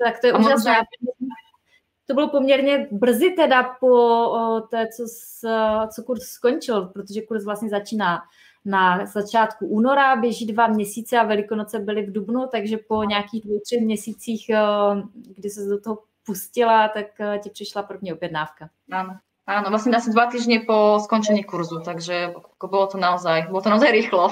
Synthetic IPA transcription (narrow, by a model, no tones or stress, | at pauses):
t̪akt̪ojɛʔuːʒasnɛaɛa | t̪obɪlopomɲɛɾɲɛbr̩zɪt̪ɛdapo̞t̪ɛːt͡so̞s | t͡so̞kuɾssko̞ɲt͡ʃɪlpɾot̪oʒɛkuɾzvlast̪ɲɛzat͡ʃiːnaː | nazat͡ʃaːt̪kuʔuːno̞ɾabjɛʒiːdvamɲɛsiːt͡sɛavɛlɪkonot͡sɛbɪlɪvdubnut̪aɡʒɛpo̞ɲɛakiːɣdvowt̪r̥ɛxmɲɛsiːt͡siːx | ɡdɪsɛsdot̪oɦo | puscɪlat̪akːcɪpr̥ɪʃlaprɾbmɲɛobjɛdnaːfka | aːno | aːnovlastɲɛasɲɛd̪vat̪iːʒɲɪposkont͡ʃɛɲiːkuɾzut̪aɡʒɛkobolot̪onaozajbolot̪onaozajɾɪxlo